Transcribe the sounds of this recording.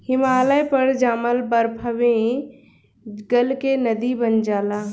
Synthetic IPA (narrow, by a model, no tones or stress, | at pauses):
hɪmaːləjpəɾd͡ʒaːməlbəɾpʰəʋẽ | ɡəlkenəd̪ibənd͡ʒaːlaː